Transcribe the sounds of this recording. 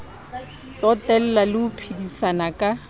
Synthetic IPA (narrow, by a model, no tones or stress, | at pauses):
sɔtʼɛl̩lalɪʊpʰidisanakʼa